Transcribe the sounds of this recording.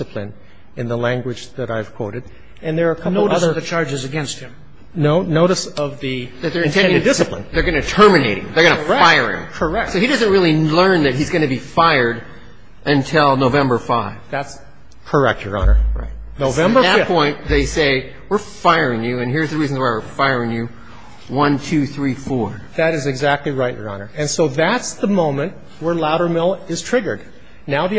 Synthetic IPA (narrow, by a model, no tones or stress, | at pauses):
sɨpʰlɨ̃n | ɨ̃nðəlæ̃ŋɡwɨd͡ʒðɨɾaɪv̥kʰw̥oʊɾɨd | ɨ̃nðə˞kʰʌnl̩ʊɨʌsðəʌðɨt͡ʃʰɑɹd͡ʒɨzɨɡɛ̃nst̚hɨ̃m | noʊnoʊɾɨsʌvðɨðɨt̪̚ðə˞ɨ̃ntʰɛ̃ndɪ̃dɪsɨplə̰̃nðə˞ɡʌnɨtʰɜ˞mɨneɪɾɪ̰̃ŋðə˞ɡʌ̃nɨfaɪə˞ɪ̰̃mkʰə˞ɛk̚soʊhidʌzɨ̃nt̚ɹɪlˠilɜ̃˞nðɨt̚ɦhizɡʌ̃nɨbifaɪə˞ɾ | ʔɨ̃ntʰɪlˠnoʊvɛ̃mbə˞faɪvðæts | kʰə˞ɛ̰k̚tə̰˞ɑ̰nə̰˞ɹa̰ɪt̚noʊvɛ̃mbə˞ɨpʰɔ̃ɪ̃nðeɪseɪ | wɪɹfaɪə˞ɪ̃ŋjʉɨ̃nɦiɹzðɨɹizn̩waɪwɪɹfaɪə˞ɪ̃ŋjɨ | wʌ̃ntʰʉθɹifɔɹ | ðɨɾɨzɨɡzæk̚tˡliɹaɪt͡ʃjə̰˞ɑ̰nə˞ɨ̃nsoʊðætsðəmõʊ̃mɨ̃nʔ̚ | wə˞laʊɾə˞mɪlˠɪz̥tʰɹ̥ɪɡə˞d̚ⁿ | naʊɾɨ